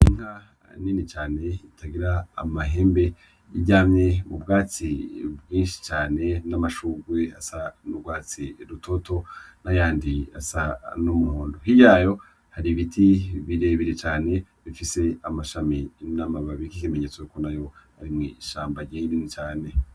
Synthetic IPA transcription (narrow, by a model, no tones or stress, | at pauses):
iŋ̥a | ninit͡ʃaːne̞itʰaɡiɾa̰ːmaɦeːmbe̞ | iɟaːmɲe̞mubɡaːt͡sibɡiːnʃi̥t͡ʃaːne̞namaʃuːɡwe̞a̰sanuɡwaːt͡siɾutʰo̞tʰo̞najaːndia̰sanumuhuːndoɦijaːjo̞ | haɾiβitʰiβiɾe̞βiɾet͡ʃaːne̞ | βifise̞amaʃaminamaβaβikikimeɲet͡soukonajo̞haɾimŋiʃaːmbaɾɟejininit͡ʃaːne̞